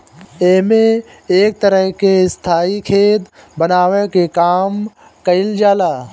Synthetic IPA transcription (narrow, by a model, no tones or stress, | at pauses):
eːmẽ | eːk̚t̪əɾəɦkeɪst̪ʰaːikʰeːt̪ | bənaːʋekekaːm | kəɪld͡ʒaːlaː